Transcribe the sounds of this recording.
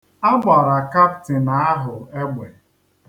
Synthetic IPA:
a˦ɡ͡bʷa˨ɾa˨ka˦ptɪ˨na˨˦a˦ɦʊ˨e˦ɡ͡bʷe˨

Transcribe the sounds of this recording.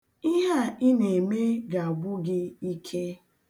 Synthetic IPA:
i˦ɦa˦ɪ˦ne˨me˦ɡa˨a˨bʊ˦ɡɪ˦i˦kʰe˦

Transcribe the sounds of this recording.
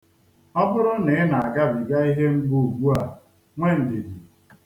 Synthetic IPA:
ɔ˦bʊ˦ɾʊ˦ne˨ɪ˦na˨a˨ɡa˦bi˨ɡa˦i˦ɦe˦ŋ͡m̩˦ɡ͡bu˦u˨ɡu˦a˨ | ŋʷe˦n̩˨dɪ˨di˨

